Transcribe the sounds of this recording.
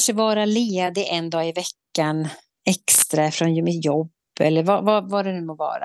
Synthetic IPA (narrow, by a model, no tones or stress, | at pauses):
ʂəvɑːɾaleːd̪ɪʔɛnd̪ɑːɪvɛkːan | ɛkst̪ɾafɾɔnjmɪt̪jɔbːɛ̰lːəɾvavavaɖɛnʉːmɔvɑ̰ːɾa̰